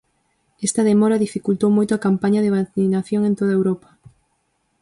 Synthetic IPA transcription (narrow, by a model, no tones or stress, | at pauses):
ɛst̪ɐðemɔɾɐðifikult̪owmojt̪oakampaɲɐðeβaθinaθjoŋẽnt̪oðaewɾopɐ̥